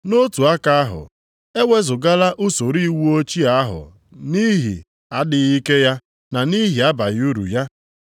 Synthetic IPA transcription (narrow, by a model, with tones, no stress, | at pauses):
no˦tu˨a˦ka˦a˦ɦʊ̰˨ | e˦wʷe˦zʊ˨ɡa˦la˦ʔʊ˦so˨ɾi˦wu˦o˦t͡ʃi˦a˦ɦʊ̰˨ | ni˦ɦḭ˨ | a˦dɪ˨ɣi˦ke˦ja˦ | na˨ni˦ɦi˨a˦ba˨ju˦ɾṵ˨ja˦